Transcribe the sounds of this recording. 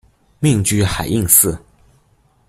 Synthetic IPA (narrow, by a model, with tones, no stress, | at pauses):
mi˥˩ŋt͡ɕy˥xa˨˩ɪʔi˥˧ŋsɹ̩˥˩